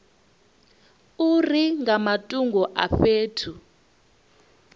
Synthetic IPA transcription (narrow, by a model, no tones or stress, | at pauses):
uriŋamatʼuŋɡʱɔʔa̰ɸeːtʰu